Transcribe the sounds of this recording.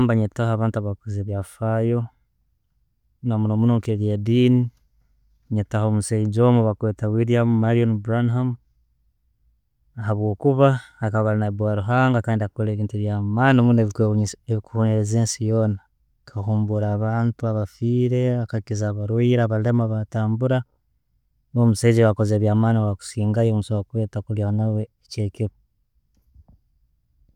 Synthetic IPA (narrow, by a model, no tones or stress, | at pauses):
mbaɲetahaːβaːntuaβakuzeːβjafajo̞ | namunomunoŋkeljadiːni | ɲetahomusaid͡ʒomuβakweːtawiɾiammaɾionbɾanham | aɦaβwo̞ːkuβaːkaβalinabwaɾuɦaːŋɡakaːndiakoleβiːntuβjamanomuneβeβikuhunezeːnsijo̞ːna | kʰahuːmbuɾaːβaːntuaβafiːɾe̞akaikizaːβaɾwiɾaːβale̞maβataːmbuɾa | nomusaizewakoze̞ːβjaːmaːniwaku̥siːŋɡajomusowakuβetakuljanawe̞ːceːkiβo